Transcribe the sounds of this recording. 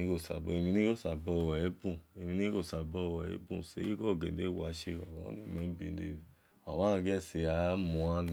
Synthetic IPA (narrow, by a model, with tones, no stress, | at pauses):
i˦ko˦˨sa̰˨be˨˧mĩ˧nĩ˦ko˦˨sa˨bɔ˧˨wɛ˨e˦bũ˦˨e˧mĩ˧ni˦ko˦˨sa˨bɔ˧˦˨wɛ˨ḛ˦bṵ̃˦˨se˨˦i˦ko˦˨ɡe˨de˦wa˨˧˦ʃe˧ɔ˨o̰˦nĩ˦˨me˨˦bḭ˨˦dḛ˦˨ | a˨ma˦˧˦ɡɛ˦˨se˨a˨˦mũ˧a˦n